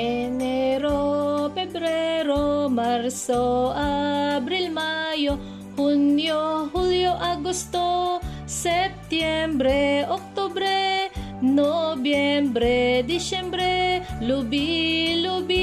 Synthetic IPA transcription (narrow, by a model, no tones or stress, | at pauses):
eneɾofɛbɾɛɾomaɾsoabɾilmajo | hunjoɦuljoʔaɡust̪o | sɛp̚t̪jɛmbɾeok̚t̪ubɾe | nobjɛmbɾed̪isɛmbɾelubilubi